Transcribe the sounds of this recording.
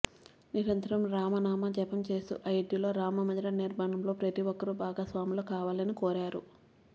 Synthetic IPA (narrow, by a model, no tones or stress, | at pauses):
niɾɐnt̪ɐɾɐmɾaːmɐnaːmɐd͡ʒɛpɐmt͡ʃe̞ːst̪ṵʔɐjɐʈjilo̞ːɾaːmɐmɐd̪ɐɾɐniɾmaːɳɐmlo̞ːpɾɐt̪iʋɔkːɐɾubʱaːɡaːsʋaːmilokaːʋaːlɐnikɔːɾaːɾu